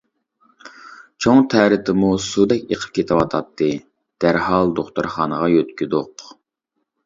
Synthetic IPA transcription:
t͡ʃʰoŋt̪ʰæːɾɪt̪ʰɪmusud̪ɛk̚ʲeqʰə̥p̚kʲʰet̪ʰɪwɑt̪ʰɑt̪ʰːɨ | d̪̥æɾhɑlˠd̪oχt̪uɾχɑːnəʁɑjøt̪kʲid̪ʊq

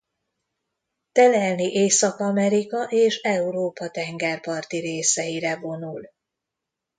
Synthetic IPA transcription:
t̪ɛlɛlniʔeːsɒkɒmɛɾikɒʔeːʃɛuɾoːpɒt̪ɛŋɡɛrpɒrt̪iɾeːsɛiɾɛvo̞nul

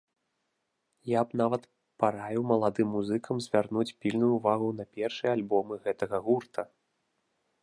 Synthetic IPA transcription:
jabn̪avɐt̪ | paɾajuwmɐlˠad̪ɨmːuzɨkʰɐmzʲvʲarnut͡sʲpʲilʲnujuvaɣunɐpʲɛrʂɨjɛalʲbɔmɨɣɛt̪ɐɣɐɣurt̪ʰɐ

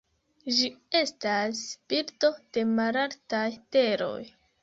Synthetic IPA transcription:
d͡ʒie̞stasb̥iɾto̞d̥e̞malaɾtajte̞ɾo̞̰j

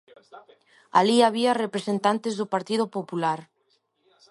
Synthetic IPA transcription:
a̰liaβ̞iarepɾesent̪ant̪ezðʊpaɾt̪iðʊpopulaɾ

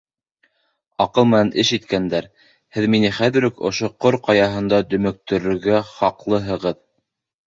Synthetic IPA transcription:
ɑqɤlˠmɘ̆nænʔɘʃit̪kænd̪æɾ | hɘðminɘχæðɘ̆ɾɵkŏ̰ʃoqoɾqɑjɑɦɤ̆nd̪ɑd̪ɵ̆mɘ̆k̚t̪ɵ̆ɾɵ̆ɾɡæχɑqlˠɤɦɤ̆ʁɤð

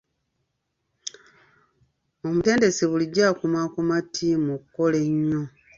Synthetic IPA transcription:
omute̞ːnde̞seβuliɟːakumakumatʰimukuko̞le̞ɲːo

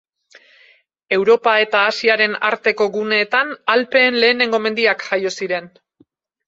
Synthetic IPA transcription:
e̞wɾo̞pae̞t̪aːsiaɾe̞na̰ɾt̪e̞ko̞ɣune̞ːt̪analpe̞ːnle̞ːne̞ŋɡo̞me̞nd̪iakʝajo̞siɾe̞n

